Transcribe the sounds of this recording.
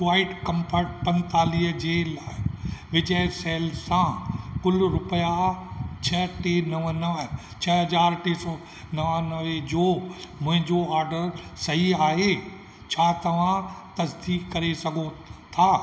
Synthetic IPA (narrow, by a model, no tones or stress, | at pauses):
kʋaːɪʈkɐ̃mpʰəʈ̚pɐ̃nt̪aːliɦəd͡ʑeːlaːʋɪd͡ʑəsɛːlsãkʊlɾʊpəjat͡ɕʰɐʈenɐʋnɐʋə | t͡ɕʰɐɦɐzaːɾʈeːsɔ | nɐʋanɐʋed͡ʑoːmʊ̃ɦɪ̃ɲd͡ʑoaːɾɖəɾsɐɦiaːɦe | t͡ɕʰaːt̪ɐʋ̤ãt̪ɐsd̪iːkkɐɾesɐɡʱot̪ʰaː